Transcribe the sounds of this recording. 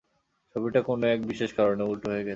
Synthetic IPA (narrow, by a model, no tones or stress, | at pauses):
t͡ʃʰobiʈakonoɛk̚biʃeʃkaɾoneulʈoɦoeɡɛe